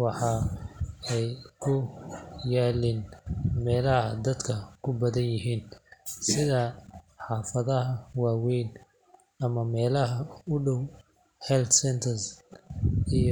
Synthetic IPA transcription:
wɑħɑː | ɛjkʰʊjaːlinmɛːlɐɦɐd̪ɐd̪kʰɐkʰʊbɐðɐnjɪɦiːnsɪðɐħɑːfɐðɐɦɐwɑːwɛjn | ɐmɐmɛːlɐɦɐʊɖɔw | hɛlt̪sɛnt̪ʰɐrs | ij

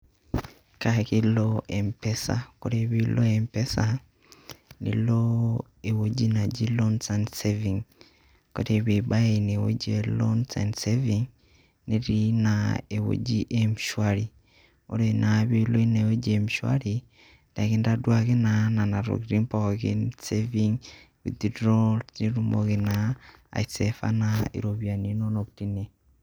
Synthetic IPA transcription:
kakiloʔempesa̰koɾeβilʔoempesa | nḭlo | ewod͡ʒinad͡ʒilonsanseviŋ | koɾeβibaenewo̰d͡ʒielonsa̰nseviŋ | neɾinaewo̰d͡ʒiʔemiʃwaɾi | o̰ɾenʔaβiloineod͡ʒemiʃwa̰ɾi | daɣendadwaɣenananaɾo̰ɡɾimpoɣḭnseviŋ | wḭdidɾolniɾumoɣena̰ːisefa̰naḭɾoβjaninonokutine

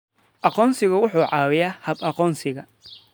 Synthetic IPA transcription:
ʔɑqɔːnsɪɣɐwʊħuːʕɑːwɪjahɐbɐqɔːnsɪɣɐ

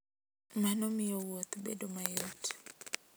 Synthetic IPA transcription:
manɔmɪjowot̪bḛdomajot

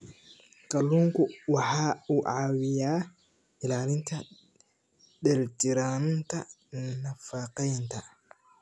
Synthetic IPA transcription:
kʰɐluːŋkʰʊwɑħɑːuːʕɑːwɪjaː | ʔɪlaːlɪnt̪ʰɐ | dɛlt̪ɪɾaːnnt̪ʰɐnɐfaːqɛjnt̪ʰɐ

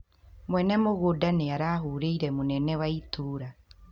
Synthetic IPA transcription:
mwɛnɛmoɣodaneaɾaːɦuɾeiɾɛmonɛnɛwaituːɾa

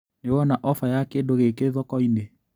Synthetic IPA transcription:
newɔnaʔɔfajakedoɣekeðɔkɔine

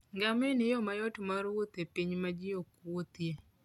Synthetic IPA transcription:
ŋɡamenɪjɔmajɔtmaɾwot̪epiɲmad͡ʒɪjokwot̪je

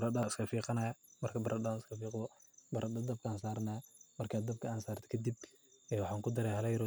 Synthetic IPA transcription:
ɾɐdaɪskʰɐfiːqɑnajmɐrkʰɐbɐɾʔɐdanskɐfiːqɔbɐɾʔɐd̪ɐd̪ɐb̚kʰaːnsaːɾnamɐrkʰaːd̪ɐb̚kʰɐaːnsaːrt̪ʰɛ̥kʰɐd̪ibɛːwɑħaːŋkʰʊd̪ɐɾɛjhɐlɛjɾɔ

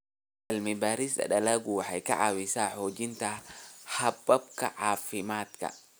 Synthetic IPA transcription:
ʔɐlmɪbaːɾɪsd̪ɐ̰ɗɐlaːɡʊwɑħɑjkʰɐ̰ʕɑ̰ːwɪsaːħɔːt͡ʃɪnt̪ʰɐħɐbɐbkʰɐʕɑːfɪmaːd̪kʰɐ̰

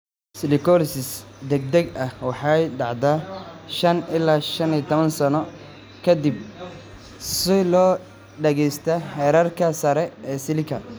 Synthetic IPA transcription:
sɪlɪkʰɔlsɪsd̪ɛɡ̚d̪ɛɡɐhwɑħɑjɖɑʕd̪aːʃɐnɪlːaːʃɐnit̪ʰɔβɐnsɐnɔ | kʰɐd̪ɪb̚ | sɪlɔː | ɖɛɣɛjst̪ʰaħɛːɾarkʰɐsɐɾɛɛːsɪlɪkʰɐ

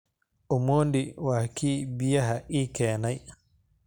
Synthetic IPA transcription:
ʔɔmoːndiwaːkiːbijaɦaʔikɛːnaj

